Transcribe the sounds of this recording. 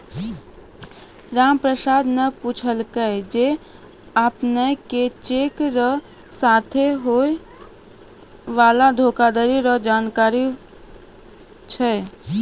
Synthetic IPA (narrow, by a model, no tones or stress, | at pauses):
ɾampɾəsad̪ʱneput͡ʃʰəlkəjd͡ʒe | əpneket͡ʃekɾəɦ | sat̪ʰeɦoe | ʋalad̪ʱokad̪əɾiɾəɦd͡ʒankaɾi | t͡ʃʰɛ